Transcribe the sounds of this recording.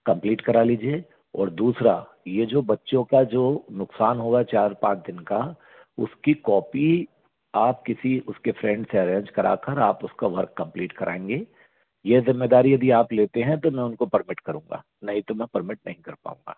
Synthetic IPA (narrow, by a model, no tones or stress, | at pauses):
kɐ̃mpliːʈkɐɾaliːd͡ʒieː | ɔ̰ːɾd̪uːsɾa | jed͡ʒoːbɐtːʃõkad͡ʒoːnʊqsaːnɦoːɡat͡ʃaːɾpãːt͡ʃd̪ɪnka | ʊskikɔːpi | aːpkɪsiʊskefʰɾɛ̃ːɳɖseɐɾẽːɲd͡ʒkɐɾa̰ːkəɾaːpʊskaʋɐɾkːɐ̃mpliːʈkɐɾʔãẽːŋɡeː | jezɪmːed̪aːɾijɐd̪iaːpleːt̪eɦɛ̃t̪omɛ̃ʊnkopɐɾmɪʈkɐɾũːŋɡa̰ː | nɐɦĩt̪omɛ̃pɐɾmɪʈ̚nɐɦĩkɐɾpa̰ːũːŋɡa̰ː